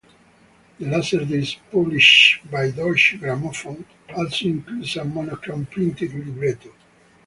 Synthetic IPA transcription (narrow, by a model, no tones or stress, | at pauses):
lasəɾd̪ezpɔbliʃbajd̪ɔʃɡɾamɔfɔ | ɔlsoĩŋkludsamɔnɔkɾãnpɾĩnt̪id̪libɾet̪o